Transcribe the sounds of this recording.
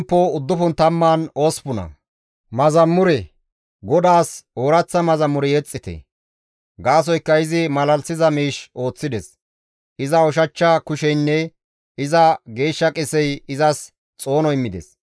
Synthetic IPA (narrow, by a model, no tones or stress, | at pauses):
mpːɔʊd̪ːʊfʊnt̪ɐmːaːnoːspʊnɐ̰ | mɐzɐmːʊɾɛ | ɡɔd̪aːsoːɾɐt͡sːɐmɐzɐmːʊɾɛjɛt͡sʼːɪt̪ɛ̰ | ɡaːs̬ɔjkːɐɪzɪmɐlɐlsɪzɐmiːʃo̞ːt͡sːɪd̪ɛs | ʔɪzɐɔʃɐt͡ʃːɐkʊʃɛjnːɛ | ɪzɐɡe̞ːʃːɐkʼɪsɛjɪzɐs | t͡sʼo̞ːnɔɪmːɪd̪ɛ̰s